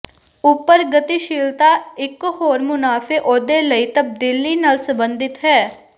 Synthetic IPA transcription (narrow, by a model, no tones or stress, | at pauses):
ʊpːəɾɡət̪iʃɪːlt̪aːɪkɦoːɾmʊnaːfʰeːʔoːd̪eːləiːt̪əb̚d̪ɪlːiːnaːlsəmbə̃nd̪ɪt̪ɦɛː